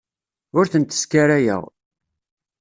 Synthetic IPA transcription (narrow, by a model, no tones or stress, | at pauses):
ʊɾθənt̪ə̥skaɾajə̰ʁ